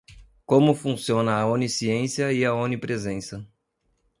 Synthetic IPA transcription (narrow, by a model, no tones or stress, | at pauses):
kõmʊfũsiõnɐːõnisiẽsiɐɪɐõnipɾezẽsɐ